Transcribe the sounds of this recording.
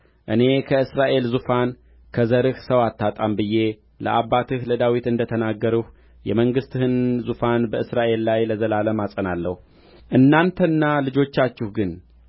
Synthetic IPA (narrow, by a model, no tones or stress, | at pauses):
ʔɨne̞kʰəɨsɾaʔe̞lzufan | kʰəzəɾɨhsəwat̪ʰːat̪ʼambɨjːe̞ | ləʔaβːat̪ʰɨhləd̪awit̪ɨnd̪ət̪ʰənaɡːəɾuh | jɛ̰məŋɡɨst̪hɨnzufanbəʔɨsɾaʔe̞lːajləzəlaləmasʼənalːə̰hu | ʔɨnːant̪ʰənːalɨd͡ʒo̞t͡ʃːat͡ʃːɪhɡɨn